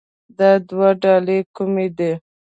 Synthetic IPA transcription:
d̪ɑd̪waɖɑlekumed̪e

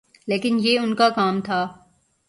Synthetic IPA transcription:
leːkɪnjeːʊnkakaːmt̪ʰaː

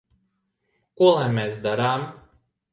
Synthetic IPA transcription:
kuɔlˠanmesd̪aɾaːm

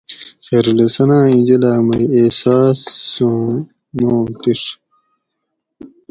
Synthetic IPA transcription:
xeɾlesɐnãːĩd͡ʑelaːmɐieːsaːsõː | nõːt̪iɾ

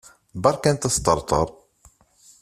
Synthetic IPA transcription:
bɑɾˤkænt̪æst̪ɑɾˤt̪ˤə̰ɾˤ

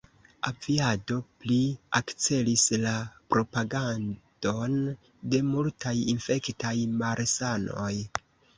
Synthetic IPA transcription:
aviado̞pliakt͡se̞lislapɾo̞paɡand̥o̞n | de̞multʰajinfe̞ktajmaɾsano̞j

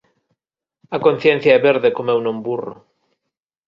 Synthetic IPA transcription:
ɐkon̟θjẽn̟θjaɛβeɾðekomɛwnõmburo̰

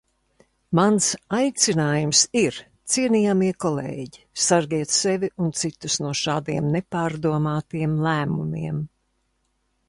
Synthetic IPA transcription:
mansajt̪sinaːjumsiɾ | t̪siɛnijamiɛkɔlḛːɟisaɾɡiɛt̪sɛvʲiʔunt̪sit̪usnuɔʃaːd̪iɛmnepaːɾd̪uɔmaːt̪iɛmlˠæːmumiɛm

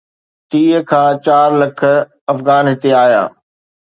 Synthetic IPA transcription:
t̪iːəkʰãːt͡ɕaːɾlɐk̆ʰ | ɐfɣaːnɦɪt̪eaːja̰ː

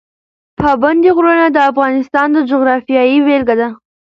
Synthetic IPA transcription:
pʰɑband̪iɣɾənad̪əafɣɑnɪst̪ɑnd̪əd͡ʒʊɣɾɑfijɑjiwelɡad̪a

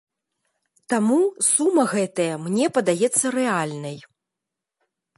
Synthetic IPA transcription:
t̪amusumːɐɣɛt̪ɐjɐmnʲɛpɐd̪ajɛt̪sːɐɾɛalʲnɐj

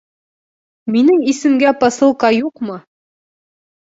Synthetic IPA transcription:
minɘŋisɘ̆mɡæpɑsɤ̆lˠqɑjuqmɤ

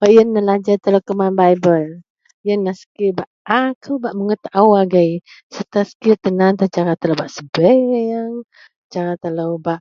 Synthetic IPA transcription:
ajənːəlad͡ʒat̪ələkəmanbajbəl | jənːasə̥kibaʔakʰəbaʔməŋət̪aʔawaɡaj | sət̪asə̥kit̪ənant̪at͡ʃaɾat̪ələbaʔsəbɛəŋ | t͡ʃaɾat̪ələwbaʔ

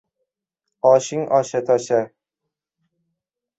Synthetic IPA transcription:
ɒʃɪŋɒʃat̪ʰɒʃa

